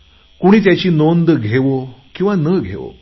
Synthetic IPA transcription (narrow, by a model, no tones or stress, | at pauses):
kuɽ̃iːt̪jat͡ɕiːnond̪ɡʱeʋokĩw̃ʋanəɡʱḛʋo̰